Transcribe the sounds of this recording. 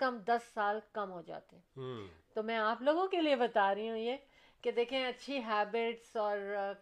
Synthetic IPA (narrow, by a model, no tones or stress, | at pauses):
kɐmd̪ɐsːaːlkɐmɦoːd͡ʒa̰ːt̪eɦɛ̃t̪omɛ̃aːploːɡõkeliebɐt̪aːɾɐiɦũje | ked̪eːkʰẽɐtːʃʰiɦɛːbɪʈsɔːɾ